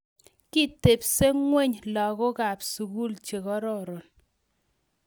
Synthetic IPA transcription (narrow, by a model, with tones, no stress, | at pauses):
ki˦te˨pse˦ŋwe˦˨ɲlɔ˨kɔ˦ka˨psu˨ku˦lt͡ʃe˨ɣɔ˦ɾɔ˦˨ɾɔ˨n